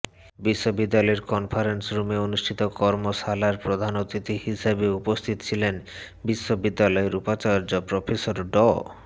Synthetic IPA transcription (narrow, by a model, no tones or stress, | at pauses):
biʃːobid̪ːalɔeɾkɔnfʰaɾensɾumeonuʃʈʰit̪okɔɾmoʃalaɾpɾod̪ʱanot̪ɾit̪ihisabeupost̪ʰit̪o̥t͡ɕʰilen | biʃːobid̪ːalɔeɾupat͡ɕaɾd͡ʑopɾofʰesoɾɖɔ